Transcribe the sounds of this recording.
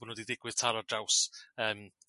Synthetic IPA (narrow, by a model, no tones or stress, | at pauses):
ʊnoːdiðɪɡwɪð̥tʰaɾadrawsəːm